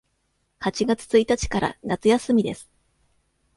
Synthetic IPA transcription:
hat͡ɕiɡat͡sɨ̥t͡sɨit̪at͡ɕi̥kaɾa̰nat͡sɨjasɨmʲid̪e̞sɨ̥

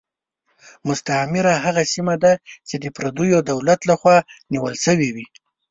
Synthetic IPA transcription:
mʊst̪amɪɾaɦaɣasimad̪at͡ʃed̪əpɾad̪ujod̪awlat̪laxwɑniwəlsəwiwi

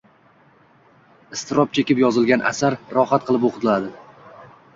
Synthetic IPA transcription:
ɪst̪ɪɾɒp̚t͡ʃʰekʲɪpjɒzɪlɡʲanʔa̰saɾːɒχat̪̚qʰɨlˠɪpoqt̪lad̪ɪ

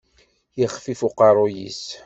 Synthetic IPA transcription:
jəχfifuqɑɾˤojḭs

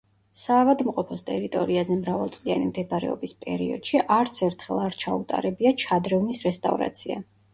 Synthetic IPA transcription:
saːvad̪mqʼɔpʰɔst̪ʼɛɾit̪ʼɔɾiazɛmɾavalˠt̪sʼia̰nimd̪ɛbaɾɛ̰ɔ̰bispʼɛ̰ɾiɔ̰d̪̥ʃiʔaɾt̪sʰɛɾt̪ʰχɛlˠaɾt͡ʃʰaut̪ʼa̰ɾɛbiat͡ʃʰad̪ɾɛvnisɾɛst̪ʼa̰vɾa̰t̪sʰia̰

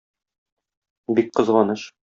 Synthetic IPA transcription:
bik̚qɤ̆zʁɑnɤʃ

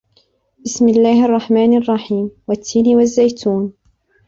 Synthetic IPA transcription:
bɪsmɪlːaːhʔɑrˤːɑħmaːnɑrˤːɑħiːmwat̪ʰːiːnɪwazːajt̪ʰuːn

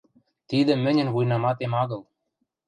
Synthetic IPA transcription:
t̪id̪ɘ̆mɘ̆nʲɘ̆nβujnɑmɑt̪emɑɣɤ̆lˠ

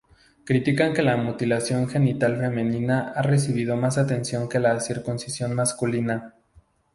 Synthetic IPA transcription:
kɾit̪ikaŋke̞lamut̪ilasjo̞ŋxe̞nit̪alfe̞mẽ̞nĩnaare̞s̬iβ̞ið̞o̞mas̬at̪e̞nsjo̞ŋke̞lasiɾkunsisjo̞nmaskulina

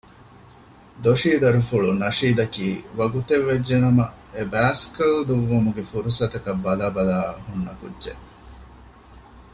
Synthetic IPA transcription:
d̪oʃiːd̪ɐɾufuɭunɐʃiːd̪ɐkiːʋɐɡut̪eʋːed͡ʒːenɐmɐ | ebæːskɐld̪uʋːumuɡefuɾusɐt̪ɐkɐbːɐlaːbɐlaːhunːɐkṵdʒe

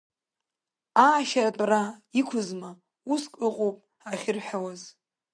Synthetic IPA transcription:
aːʃaratʼraikʷʰʊzma | uskʼɨqʼowpʼ | aχʲɪrħʷᶣawaz

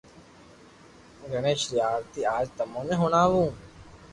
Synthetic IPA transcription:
ɡəneːʃɾɪjaːɾt̪iːaːd͡ʒt̪ɐmõːnẽɦʊnaːʋũː

